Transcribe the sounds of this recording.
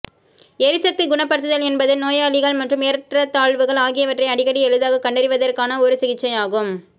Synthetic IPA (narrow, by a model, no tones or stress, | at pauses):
eːɾɯsɐk̚t̪iɡʊɳɐpːɐɾɯt̪ːɯðɐlɛnbɐðɯnoːjɐːɭɪɣɐɭmɐʈrɯmeːɾʈrɐt̪aːɭʋɯɣɐɭaːɣɪjɐʋɐʈrɐɪɐɽɪɣɐɽiɛɻɯðaːɣɐkːɐɳɖɐɾɪʋɐðɐrkaːnɐɔɾɯsɪɣɪt͡ʃːɐɪaːɣɯm